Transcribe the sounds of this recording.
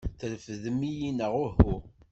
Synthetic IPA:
θəɾfəðəmːijinəʁʊɦu

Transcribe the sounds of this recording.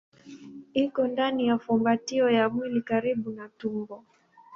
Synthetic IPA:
ikɔndanijafumbatiɔjamwilikaɾiɓunatumbɔ

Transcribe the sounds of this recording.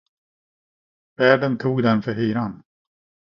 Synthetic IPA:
v̥æːɖənt̪ʰuːɡd̪ɛnfœɾhyːɾan

